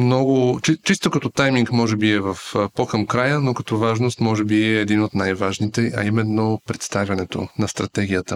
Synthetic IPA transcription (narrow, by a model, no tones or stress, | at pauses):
mnɔɡʊt͡ʃit͡ʃist̪okɐt̪ɔt̪ajmiŋkmɔʒɛbiɛvɐfpokɐmkɾajənokɐt̪ɔvaʒnost̪mɔʒɛbiɛːd̪inot̪najvaʒnit̪ɛɐ̰imɛnːopɾɛt̪st̪avʲjɐnɛt̪o̰nɐst̪ɾɐt̪ɛɡʲijət̪ə